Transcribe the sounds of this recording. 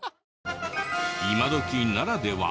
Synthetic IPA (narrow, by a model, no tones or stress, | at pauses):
imad̪okʲinnaɾad̪e̞βa̰